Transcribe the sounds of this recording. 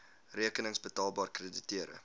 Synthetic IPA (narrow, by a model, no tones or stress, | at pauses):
riəkənəŋsbətɑːlˠbɑːrkreːditiəɾə̰